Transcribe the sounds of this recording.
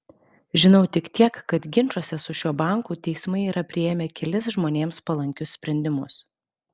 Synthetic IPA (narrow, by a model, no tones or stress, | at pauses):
ʒʲɪnɒʊt̪ʲɪkt̪ʲiɛkːɐt̪ɡʲɪnt͡ʃuɔsʲɛsʊʃʲuɔbɑˑŋkuːt̪ʲɛɪsmɐɪiːɾʔɐpʲɾʲɪjeːmʲeːkʲɛlʲɪsʒmoːnʲeːmspɐlˠɐŋʲkʲʊsʲsʲpʲɾʲɛnʲd̪ʲɪmʊs